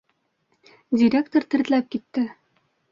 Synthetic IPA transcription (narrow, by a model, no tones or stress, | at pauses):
dʲɪɾʲekt̪oɾt̪ɘ̆ɾt̪læp̚kit̪ːɘ